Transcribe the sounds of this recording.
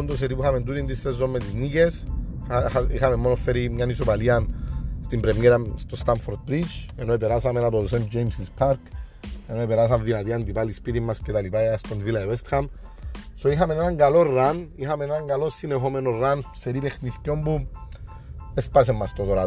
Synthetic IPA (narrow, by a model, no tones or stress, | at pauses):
nd̪os̬eɾipuxamend̪ut̪ind̪isːezːomːet̪iznikes | ixamemːonofːeɾimɲanisopalianst̪imbɾemjeɾamst̪ost̪aɱfoɾd̪̚pɾit͡ʃenoepeɾasamenapoðosend͡ʒejmsispʰaɾkenoepeɾas̬amðinat̪iand̪ipalispit̪imːascet̪alipajast̪onvilaevest̪xamsoixame̞nenaŋɡalorːanixamenenaŋɡalosːinexomenorːanseɾipexniθcombu | espas̬emːast̪ot̪oɾa